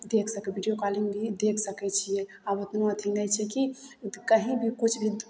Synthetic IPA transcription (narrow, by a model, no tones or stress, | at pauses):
d̪ekʰsəkɛbʱiɖijokaliŋɡbʱid̪ekʰsəkɛt͡ʃʰijɛ | abət̪noət̪ʰinɛjt͡ʃʰɛkikəɦĩbʱikut͡ʃʰbʱi